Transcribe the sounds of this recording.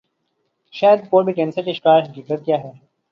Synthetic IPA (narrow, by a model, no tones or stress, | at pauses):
ʃaːjəd̪̚poːɾbiʈɛ̃ːnsəʈɪʃkaːɾɦɐkiːkət̪̚kjaːɦɛː